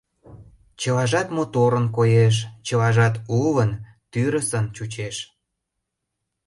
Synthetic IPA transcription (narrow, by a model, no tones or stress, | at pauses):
t͡ɕəlɑʒɑt̪mot̪oɾənkojeʃ̬t͡ɕəlɑʒɑt̪ulən | t̪yɾəsənt͡ɕut͡ɕeʃ